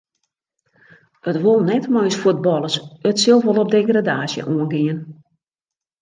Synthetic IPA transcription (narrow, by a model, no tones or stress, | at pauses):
ətʋolˠnɛtmɔjsfud̚bɔlˠəsətsɪlˠʋolˠɔp̚deɡradaːsjə̰ʔuənɡiən